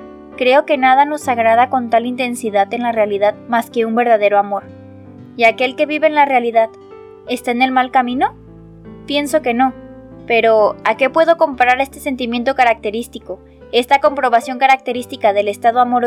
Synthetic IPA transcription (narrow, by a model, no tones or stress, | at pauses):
kɾe̞o̞ke̞naðano̞saɣɾað̞ako̞nt̪alint̪e̞nsiðaðe̞nlarealiðaðmaske̞umbe̞ɾðaðe̞ɾo̞amo̞ɾ | iake̞lke̞βiβe̞ːnlarealiðað | e̞st̪aene̞lmalkamĩno̞ | pje̞nso̞keno̞ | pe̞ɾo̞ake̞pwe̞ð̞o̞ko̞mpaɾaɾest̪ese̞nt̪imje̞nt̪o̞kaɾak̚t̪e̞ɾist̪iko̞ | e̞st̪ako̞mpɾo̞βasjo̞ŋkaɾak̚t̪e̞ɾist̪ikaðe̞le̞st̪aðoamoɾ